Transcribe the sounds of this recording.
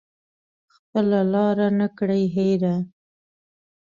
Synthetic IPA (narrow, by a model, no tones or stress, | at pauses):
xpəlalɑɾanəkɽajɦejɾa